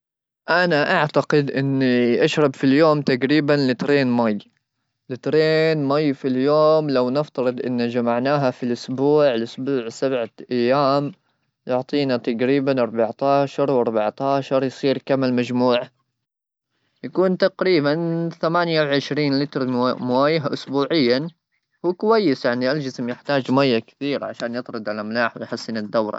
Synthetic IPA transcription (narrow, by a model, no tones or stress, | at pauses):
ʔanaʔaʕt̪aqɪd̪ʔɪnːiʔaʃɾˤɑbfiljoːmt̪aqɾiːbanlɪt̪ɾeːnmaj | lɪt̪ɾeːnmajfiljoːmlawnɪft̪ɑɾɨd̪ˤʔɪ̰nːad͡ʒamaʕnaːɦafilʔʊsbuːʕɪlʔʊsbuːʕsabʕaʔajːaːm | jʊʕt̪ˤiːnat̪aqɾiːbanʔɑɾˤbaʕt̪aːʃɑɾˤwʔɑɾˤbaʕt̪aːʃɑɾˤjsˤiːɾkamːɪlmad͡ʒmuːʕ | jakuːnt̪aqɾiːbanθamaːnjawʕɪʃɾiːnlɪt̪ɾmwaːjɪɦaʔʊsbuːʕɪjːa | huːkʊwajːɪsjaʕniʔald͡ʒɪsmjɪħt̪aːd͡ʒmajːakɪ̥θiːɾaʕa̰ʃaːnjɨt̪ˤɾˤɨd̪ʕalamlaːħwɪjħasːɪnad̪ːawɾˤɑ̰